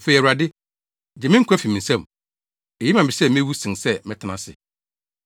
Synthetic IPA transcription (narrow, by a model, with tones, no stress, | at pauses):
fe˨ɛ˨u˨ɾa˨dɪ˦ | d͡ʑɛ˨mɪ̃˦ŋ̩˦kʰʷæ˦fi˨mĩ˨n̩˨sɛ̃˦˨m | e˨ji˦mã˨bɪ˨sɛ˦mɪ̃˦wu˦sĩ˨ŋsɛ˦mɪ̃˦tʰɪ˨nã˦sɪ̰˨